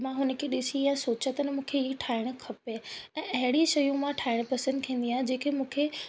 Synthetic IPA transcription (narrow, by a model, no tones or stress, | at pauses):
mãɦʊnə̆kʰeɗɪsijãsoːt͡ɕət̪ɐnəmũːkʰeɦiʈʰaːɪɽ̃̆kʰɐpeɛ̃ːʔɐɦɪɽ̃iʃɐjũmãʈʰaːɪɽ̃pɐsə̃nd̪kʰĩːn̆d̪iaːɦɪd͡ʑeːkʰemũːkʰe